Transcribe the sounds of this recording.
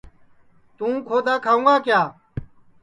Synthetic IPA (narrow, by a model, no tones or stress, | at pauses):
t̪ũːkʰoːd̪aːkʰaːũːɡaːkjaː